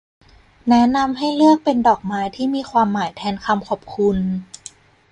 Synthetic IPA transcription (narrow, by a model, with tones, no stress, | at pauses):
nɛ˦˥na˧mɦa˥˩jlɯ˥˩ək̚pe˧ndɔː˨˩k̚maː˦˥jt̪ʰiː˥˩miː˧kʰwaː˧mːaː˨˩˦jt̪ʰɛː˧nkʰa˧mkʰɔː˨˩p̚kʰu˧n